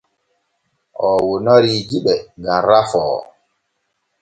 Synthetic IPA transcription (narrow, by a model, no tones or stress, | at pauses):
ʔɔwonɔɾid͡ʒiɓɛɡanɾafɔː